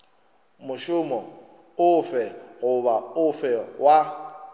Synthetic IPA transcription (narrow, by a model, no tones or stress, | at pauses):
mʊʃʊmɔ | ʊfɛɣʊβaʊfɛwa